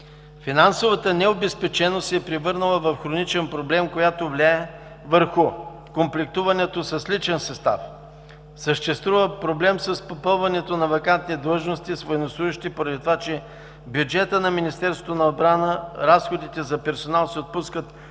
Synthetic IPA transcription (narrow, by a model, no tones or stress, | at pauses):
finansovət̪ənɛobɛspɛt͡ʃɛnosɛpɾivɤɾnəlˠəvɐfxɾonit͡ʃɛnpɾoblɛmkojat̪ovlʲaɛ | vəɾxʊ | komplʲɛk̚t̪uvɐnɛt̪osɐslit͡ʃɛnsɐst̪a̰f | səʃt̪ɛst̪vuvəpɾoblɛmsəspopɤlˠvɐnɛt̪onɐvɐkant̪nid̪lˠəʒnost̪isvoɛnoslˠuʒɪʃt̪ipoɾɐd̪it̪ovat͡ʃɛ | bjud͡ʒɛt̪ənɐminist̪ɛɾsvot̪onɐod̪̚bɾanəɾasxod̪it̪ɛzɐpɛɾsonalˠsɛot̪̚puskət̪